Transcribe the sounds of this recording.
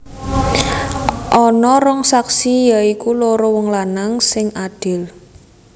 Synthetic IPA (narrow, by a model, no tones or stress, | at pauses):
ʔɔnɔɾɔŋsaksijaikuloɾɔwɔŋlanaŋsɪŋʔad̪̥ɪ̤l